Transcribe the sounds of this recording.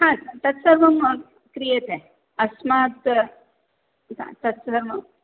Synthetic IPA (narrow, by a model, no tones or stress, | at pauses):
ɦãt̪ɐt̪sɐɾmɐm | kɾijet̪e | ɐsmaːt̪ | ã̰t̪ɐt̪sɐɾmɐm